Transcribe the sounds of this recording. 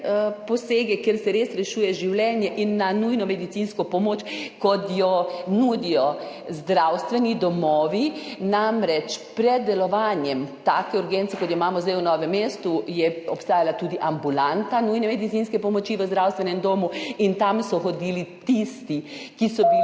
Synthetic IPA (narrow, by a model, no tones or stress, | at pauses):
pɔseːɡɛkeɾsɛɾeːsɾɛʃuːjɛʒiwlʲɛːnjɛʔinːanujnɔmɛd̪it̪sinskɔpɔmoːt͡ʃkɔt̪jɔnuːd̪ijɔzd̪ɾawst̪ʋɛnid̪ɔmɔːʋinamɾɛt͡ʃpɾɛd̪̚ːɛlɔʋaːnjɛmt̪aːkɛuɾɡent̪sɛkɔt̪jɔimaːmɔzd̪ɛjwnɔːʋɛmːeːst̪ujɛɔpst̪aːjalat̪uːd̪iʔambulant̪anujnɛmɛd̪it̪sinskɛpɔmɔt͡ʃiʋəzd̪ɾawst̪ʋɛnɛmd̪oːmuint̪amsɔxod̪ilit̪ist̪ikisɔbi